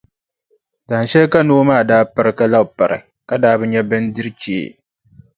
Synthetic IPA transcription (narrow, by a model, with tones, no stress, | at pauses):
daː˨n˨ʃɛ˦lka˦noː˦maː˦˨daː˦pɨ˨ɾɨ˦ka˦la˦˨pa˨ɾɨ̰˨ | ka˦daː˦bɨ˦ɲɛ˦bɨ˦ndɨ˦ɾɨ˦t͡ʃḛː˨˦˨